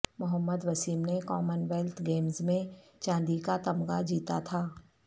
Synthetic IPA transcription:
mʊɦəmːəd̪ʋɐsiːmnekɔːmənʋɛːlt̪ʰɡeːmzmẽt͡ʃãːnd̪ikat̪ɐmɡad͡ʒiːt̪at̪ʰaː

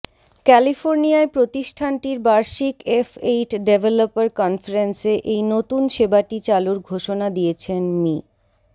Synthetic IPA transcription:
kɛlifoɾnijaepɾot̪iʃʈʰanʈiɾbaɾʃikefejʈɖebʱelopaɾkɔnfaɾenseʔejnot̪unʃebaʈit͡ɕaluɾɡʱoʃonad̪iet͡ɕʰenmi

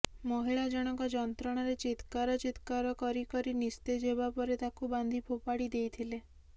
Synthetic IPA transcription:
mɔɦiɭad͡ʒɔɽ̃ɔŋkɔd͡ʒɔnt̪ɾɔɽ̃ɔɾet͡ʃit̪kaɾɔt͡ʃit̪kaɾɔkɔɾikɔɾinist̪ed͡ʒebapɔɾet̪akuband̪ʱipʰopaɽid̪ejt̪ʰile

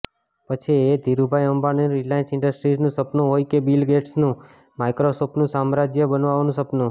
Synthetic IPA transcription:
pət͡ʃʰied̪ʱiɾubʱajəmbaneɾilajnsɪɳɖəsʈɾid͡ʒnũsəpnuɦojkebilɡeʈsnũ | majkɾosopnũsamɾad͡ʒjəbənʋaʋnũsəpnu

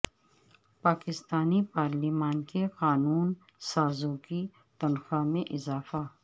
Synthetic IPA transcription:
paːkɪst̪aːnipaːɾlimaːnkeqaːnuːn | saːzõki | t̪ɐnxamẽʔɪzaːfa

